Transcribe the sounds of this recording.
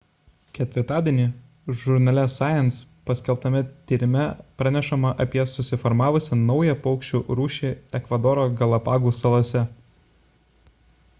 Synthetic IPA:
kʲɛt̪ʲʋʲɪɾt̪ɑːd̪ʲiɛnʲiː | ʒʊɾnɐlʲɛsɑːjɛns | pɐsʲkʲɛlˠp̚t̪ɐmʲɪt̪ʲiːɾʲɪmʲɛpɾɑnʲɛʃɐmɐʔɐpʲiɛsʊsʲɪfɔɾmɑːʋʊsʲɛnɒʊjɛpɒʊkʃʲt͡ʃʲuːɾuːʃʲiɛkʋɐd̪ɔɾoːɡɐlˠɐpɑːɡuːsɐlˠoːsʲɛ

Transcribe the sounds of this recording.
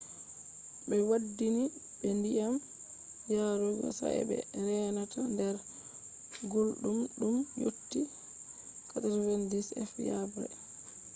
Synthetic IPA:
bɛwadːini | ɓɛndijam | jaɾoɡɔ̰sa̰ɛ̰ɓɛ̰ɾɛːnatandɛɾ | ɡolɗumɗumjo̰tːi | katɾvɛndisɛ̰fja̰bɾɛ̰

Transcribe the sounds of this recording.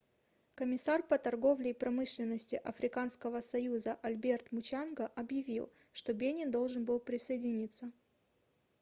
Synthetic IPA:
kəmʲɪsarpət̪ɐrɡo̞vlʲɪːpɾɐmɨʂlʲɪnːəsʲtʲɪʔɐfɾʲɪkanskəvəsɐjuzəʔɐlʲbʲe̞rt̪mʊt͡ɕanɡəʔɐbjɪvʲḭlˠ | ʂt̪obʲenʲɪnd̪o̞lˠʐɨnbɨlˠpɾʲɪsəjɪdʲɪnʲit̪sːə

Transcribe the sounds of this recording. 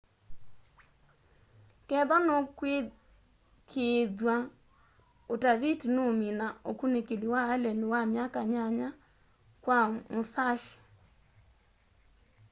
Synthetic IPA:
kɛðɔnokwe | kʰeðwa | otaβitinominaokunekeliwaːlɛnɪwamjakaɲaɲa | kwamosaʃi̥

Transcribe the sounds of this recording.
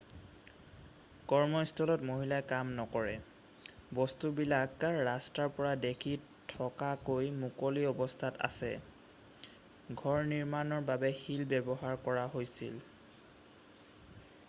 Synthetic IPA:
kɔɹmɔstʰɔlɔtmoɦilajkamnɔkɔɹɛ̰ | bɔstubilakkaɹːastaɹpɔɹadekʰi | tʰɔkakojmukoliɔbɔstʰata̰sɛ̰ | ɡʱɔɹniɹmanɔɹbabɛhilbɛbɔɦaɹkɔɹaɦojsḭl

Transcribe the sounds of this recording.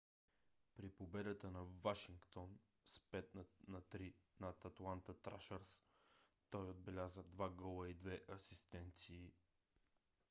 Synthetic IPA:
pɾipobɛd̪ət̪ənɐvaʃiŋkt̪on | spɛt̪nnɐt̪ɾinɐt̪at̪lˠant̪ət̪ɾa̰ʃəɾst̪ɔjod̪̚bɛlʲazəd̪vaɡəlˠəid̪vɛʔɐsist̪ɛnt̪siː

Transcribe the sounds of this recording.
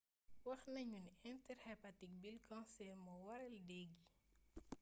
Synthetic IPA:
wɐxnɐɲuniɛntɛɾhɛpatik̚bilkɔ̃nsɛrmɔwɐɾɛldɛɡi

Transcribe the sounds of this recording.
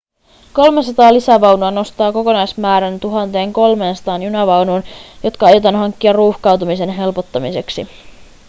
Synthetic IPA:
ko̞lmesɑt̪ɑːlisæʋɑwnuɑno̞st̪ɑːko̞ko̞nɑjsmæːɾænt̪uɦɑnt̪e̞ːŋko̞lme̞ːnsɑ̥t̪ɑːnjunɑʋɑwnuːnjo̞t̪kɑɑjot̪ɑnɦɑŋkːiɑrruːhkɑwt̪umise̞nɦe̞lpo̞t̪ːɑmise̞ksi

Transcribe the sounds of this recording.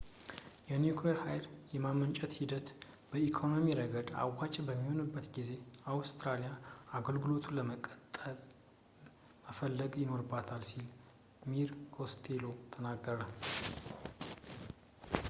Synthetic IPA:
jɛnjukʰleɾhajljɛmamənt͡ʃʼɛt̪hid̪ət̪ | bəikʰo̞no̞miɾəɡəd̪a̰wat͡ʃʼbəmːiho̞nɨbːət̪ɡize̞awst̪ɾalijaaɡəlɡɨlo̞t̪ʰuləməkʼət̪ʼə | məfəlːəɡjɪno̞ɾɨbːat̪ʰalsil | miɾhʰo̞st̪ʰelo̞t̪ʰənaɡːəɾə

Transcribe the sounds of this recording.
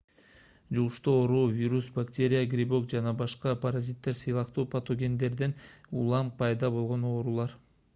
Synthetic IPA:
d͡ʒuʁuʃt̪uoɾuːvʲiɾusbaktʲe̞ɾʲɪjaɡɾʲibo̞kd͡ʒɑnɑbɑʃqɑpʰaɾazʲit̪ːe̞ɾsɯjlˠɑqt̪uːpɐt̪o̞ɡʲe̞nd̪e̞ɾd̪enulˠɑmpɑjd̪ɑbo̞lˠʁo̞no̞ːɾulˠɑɾ

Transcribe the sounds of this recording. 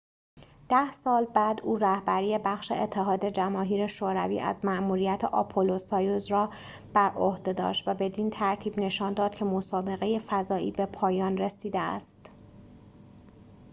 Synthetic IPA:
d̪̥æhsɒːlbæːd̪uːɾæhbæɾiːe̞bæxʃe̞̰et̪ʰːe̞ɦɒːd̪e̞d͡ʒæmɒːɦiːɾe̞ʃoːɾævḭːʔæ̰zmæʔmuːɾijæt̪ʰeʔɒ̰pʰolo̞sɒːjozɾɒː | b̥æɾʔohd̪e̞d̪ɒ̰ːʃt̪væbe̞d̪iːnt̪ʰæɾt̪ʰiːbne̞ʃɒːnd̪ɒːd̪̥cʰe̞mo̞sɒːbe̞ɣe̞je̞fæzɒːḭːbe̞pʰɒːjɒːnre̞siːd̪eæ̰st̪

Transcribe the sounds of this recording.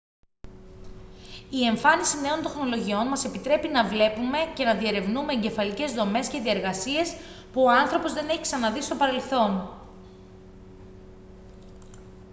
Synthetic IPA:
ie̞ɱfɐnisine̞o̞nt̪e̞xno̞lo̞ʝio̞nmɐse̞pit̪ɾe̞pinɐvle̞pume̞ce̞nɐðie̞ɾe̞vnume̞ːɲɟe̞fɐlice̞zðo̞me̞sce̞ðieɾɣɐsie̞s | puoɐnθɾo̞pozðe̞neçiksɐnɐðist̪opɐɾe̞lθo̞n

